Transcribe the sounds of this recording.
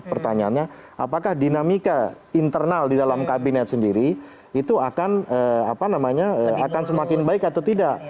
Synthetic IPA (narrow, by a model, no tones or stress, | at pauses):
pərt̪aɲaanɲaa̰pakahdinamika | int̪ərnaldidalamkabinɛt̪səndiɾi | it̪uakanəapanamaɲaəakansəmakɪnbaɪkat̪awt̪idaʔ